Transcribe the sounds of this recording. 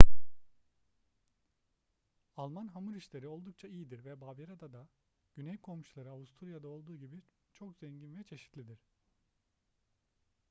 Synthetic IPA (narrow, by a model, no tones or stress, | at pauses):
alˠmanɦamuɾiʃlʲeɾio̞lˠd̪uk̚t͡ʃʰaijid̪iɾvɛbaːbeɾad̪ad̪a | ɟ̥ynɛjkʰo̞mʃulˠaɾɯavust̪ʰuɾujad̪ao̞lˠd̪uːɟibi | t͡ʃʰo̞kz̥ɛɲɟinvɛt͡ʃʰe̞ʃi̥t̪lʲid̪iɾ̥